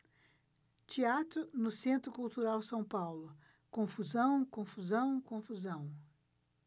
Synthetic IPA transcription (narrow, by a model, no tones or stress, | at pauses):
t͡ʃiat̪ɾʊnʊsẽnt̪ɾʊkuwt̪uɾawsɐ̃w̃pawlʊ | kõfuzɐ̃w̃kõfuzɐ̃w̃kõfuzɐ̃w̃